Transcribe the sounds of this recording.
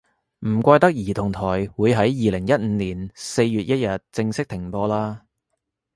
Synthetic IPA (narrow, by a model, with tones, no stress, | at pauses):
m̩˨˩kʷaː˧jt̪ɐ˥k̚jiː˨˩t̪ʰʊ˨˩ŋt̪ʰɔː˨˩jwuː˨˧jɦɐ˨˥jːiː˨˧lɪ˨˩ŋjɐ˥t̚m̩˨˥niː˨˩nse˧jjyː˨t̚jɐ˥t̚jɐ˨t̚t͡sɪ˧ŋsɪ˥k̚t̪ʰɪ˨˩ŋpɔː˧laː˥